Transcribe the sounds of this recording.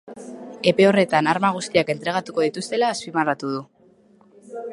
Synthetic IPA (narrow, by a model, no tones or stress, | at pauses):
e̞pe̞o̞re̞t̪anaɾmaɣ̞ust̪iake̞nt̪ɾe̞ɣ̞at̪uko̞ðit̪ust̪e̞laːspimarat̪uð̞u